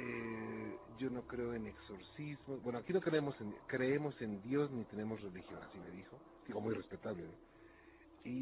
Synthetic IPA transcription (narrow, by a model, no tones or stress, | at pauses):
e | ɟ͡ʝo̞no̞kɾe̞oe̞ne̞kso̞ɾsizmosbwe̞noakino̞kɾeemo̞senkɾe̞emo̞se̞nd̪jo̞znit̪e̞ne̞mo̞sre̞lixjo̞̰na̰sime̞ðixo̞ | d̪iɣomujre̞spe̞t̪aβleno | i